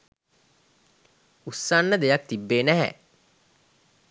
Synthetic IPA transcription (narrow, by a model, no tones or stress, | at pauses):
usːanːəd̪ejɐk̚t̪ibːeːnæɦɛ̰